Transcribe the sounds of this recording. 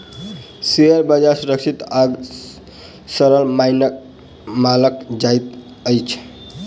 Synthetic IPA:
seəɾbəd͡ʒaɾsuɾəksʰit̪aɡ | səɾəlmajnə | maləkd͡ʒajt̪ | əjt͡ʃʰ

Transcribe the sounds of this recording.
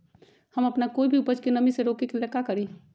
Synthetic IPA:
hɐmɐpnakoːibʱiʊpəd͡ʒkenəmiseɾoːkekelekakəɾi

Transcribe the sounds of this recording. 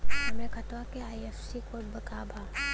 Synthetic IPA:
ɐmekʰɐt̪ʋakeaːjefsikobəkaːbʱaː

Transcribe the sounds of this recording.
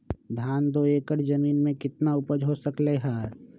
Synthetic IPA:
d̪ʱaːnd̪oeːkəɾd͡ʒəmiːnmẽkɪt̪naʊpəd͡ʒʱɦosəkleɦaːɾ

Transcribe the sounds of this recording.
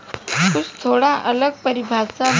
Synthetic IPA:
tust̪ʰoɽaʔələɡ̚pəɾibʱat͡sa

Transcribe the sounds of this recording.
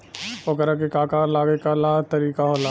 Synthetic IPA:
pokəɾakekaːkaːɾlaːɡekalat̪ɐɾiːkaɦolaː

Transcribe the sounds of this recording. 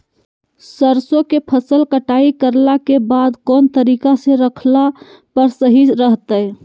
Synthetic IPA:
səɾsokepʰəsəlkəʈaikəɾlakebad̪kont̪əɾikaseɾəkʰla | pəɾsəɦiɾəɦt̪əj

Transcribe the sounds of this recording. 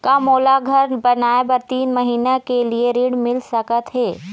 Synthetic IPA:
kamoːlaɡʱɐɾbɐnaːebɐɾt̪iːnmɐɦiːnakelieɾiɽmɪlsɐkət̪ɦeː

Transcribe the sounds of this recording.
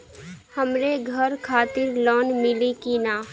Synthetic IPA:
həmɾeɡʱəɾkʰaːt̪ɪɾlɔːnmɪlikinaː

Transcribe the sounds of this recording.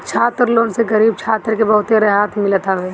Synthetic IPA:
t͡ʃʰaːt̪ɾloːnseɡəɾiːb̚t͡ʃʰaːt̪ɾkebɐɦʊt̪eɾeɦaːt̪ʰmɪlət̪aɦeː

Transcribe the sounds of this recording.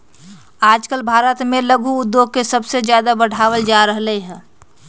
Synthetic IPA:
aːd͡ʒkəlbʱaːɾət̪mẽləɡʱuʊd̪ːjoːɡ̚kesəbsed͡ʒjaːd̪abəɽ̤ʱaːwəld͡ʒaːɾəɦleɦɛ̃ː

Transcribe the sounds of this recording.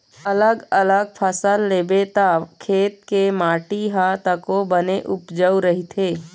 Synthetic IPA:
ələɡələɡ̚pʰəsəlːeːbet̪akʰeːt̪̚kemaːʈiɦat̪əkobəneʔʊpd͡ʒəwɾəɦit̪ʰeː

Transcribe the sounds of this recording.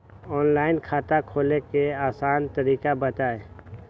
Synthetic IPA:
ɔːnlaːɪnkʰaːt̪akʰoːlekeaːsaːnt̪əɾiːkabət̪aːe

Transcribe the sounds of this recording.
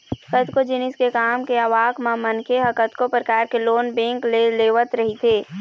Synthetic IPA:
əkət̪kod͡ʒɪnɪskekaːmkeəʋaːkmãmənkʰeɦəkət̪kopɾəkaːɾkeloːnbẽːŋkleleːʋət̪ɾəɦit̪ʰeː

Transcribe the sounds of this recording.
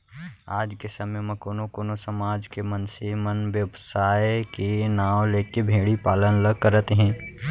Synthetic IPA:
aːd͡ʒkesəməjmẽkoːnokoːnosəmaːd͡ʒkemənsemənʋjəbsaːjkenaːwõleːkebʱeːɽipaːlənləɡ̚kəɾət̪ɦɛ̃ː

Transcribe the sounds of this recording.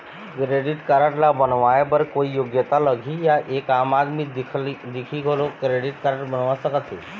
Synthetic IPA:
kɾeɽiʈkəɾaʈlabənʋajbəɾkoijoɡjət̪aləɡʱiːjaʔekamad̪mid̪ikʰiːɡʱolokɾeɽiʈkəɾaʈbənʋasəkət̪ʰḛ

